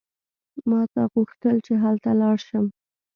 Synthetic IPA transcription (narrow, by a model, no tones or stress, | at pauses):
mɑt̪ɑɣuxt̪əlt͡ʃeɦalt̪alɑɽʃəm